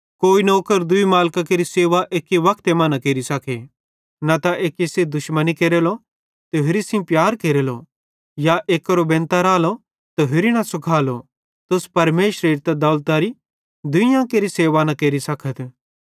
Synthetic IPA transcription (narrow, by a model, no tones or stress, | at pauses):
koːinoːkəɾd̪ʊimaːlkakeɾiseːʋaʔeːkiʋɐkʰt̪emɐnɐkeːɾisɐkʰe | nɐt̪aʔeːkised̪ʊʃmənikeːɾeːlo | t̪eɦɪɾisĩpjaːɾkeːɾeːlo̰ | jaʔeːkːɐɾobẽːnt̪aɾaːlo | t̪oɦɪɾinɐsʊkʰaːlo | t̪ʊspɐɾmeːʃɾeɾt̪ɐd̪ɐːlt̪aɾi | d̪ʊijãkeɾiseːʋanɐkeːɾisɐkʰət̪